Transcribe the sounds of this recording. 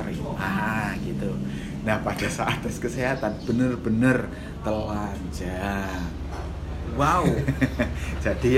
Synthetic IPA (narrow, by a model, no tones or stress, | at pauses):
riʔaɦaɡit̪u | nahpad̥a̤saʔat̪ɛskəseɦat̪anb̥ənərb̥ənər | t̪əland͡ʒa | wau̥ | d͡ʒ̥a̤d̥i